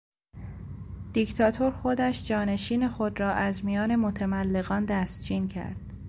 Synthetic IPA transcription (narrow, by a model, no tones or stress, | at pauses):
d̪̥ict̪ʰɒːt̪ʰoɾxod̪æʃd͡ʒɒːne̞ʃiːne̞xo̞d̪ɾɒːʔæzmijɒːne̞mot̪ʰæmælːe̞ɣɒːnd̪æst̪̚d͡ʒiːncʰæ̰ɾd̪̥